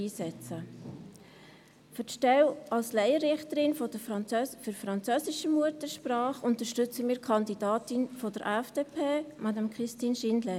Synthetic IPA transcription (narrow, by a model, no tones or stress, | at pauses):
iːsɛt͡sə | fətʃtɛwɑlslæɪəɾɪχtəɾɪnfɔdəɑøfyɾfɾɑnt͡søːsɪʃəmuətəʃpɾɑːχʊntəɾʃtʏt͡səmiːɾkʰɑndidɑːtɪnfɔdəɾʔæfd̥eːpʰeːmʔɑdɑmkʰɾɪstiːnʃɪndlɛ